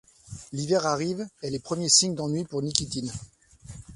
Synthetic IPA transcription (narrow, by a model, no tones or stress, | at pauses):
livɛʁaʁivɛlepχəmjesiɲd̪ɑ̃nɥipuʁnikʲit̪in